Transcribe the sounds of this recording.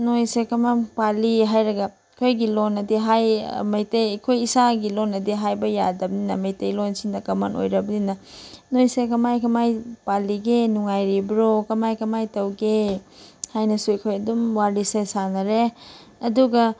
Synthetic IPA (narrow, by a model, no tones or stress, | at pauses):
nojsekɐmapaliɦajɾɐɡɐ | kʰojɡilonɐdiɦajmɐjtejɐkʰojisaɡilonːɐdiɦajbɐjadɐbɐninɐmɐjtejlonsindɐkɐma̰nʔo̰jɾɐbɐninɐnojsekɐmajkɐmajpaliɡenuŋajɾibɾokɐmajkɐmajtɐwɡe | hajnɐsuɐjkʰojɐdumwaɾisesanɐɾe | ɐduɡɐ